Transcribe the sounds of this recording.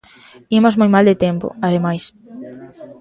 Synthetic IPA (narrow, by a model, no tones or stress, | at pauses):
imozmojmald̪et̪ɛmpo̰aðemajs